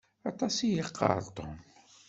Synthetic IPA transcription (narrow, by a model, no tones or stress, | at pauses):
æt̪ˤɑsijəqːɑ̰ɾt̪ˤom